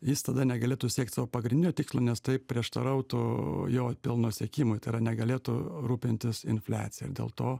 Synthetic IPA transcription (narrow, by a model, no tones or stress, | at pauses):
jɪst̪ɐd̪ɐnʲɛɡɐlʲeːt̪ʊsʲiɛk̚t̪ʲsɑːʋoːpɐɡɾʲɪndʲɪnʲoːt̪ʲɪkslˠoːnʲɛst̪ɐɪpʲɾʲiɛʃt̪ɐ̰ɾɐʊt̪ʊjoːpʲɪlˠnoːsʲeɛkʲiːmʊjt̪ɐɪɾɐnʲɛɡɐlʲeːt̪ʊɾuːpʲɪnʲt̪ʲɪsɪ̰nfʲlʲæ̰ːt̪t͡sʲɪjɛɪ̰ɾdʲḛːlˠt̪oː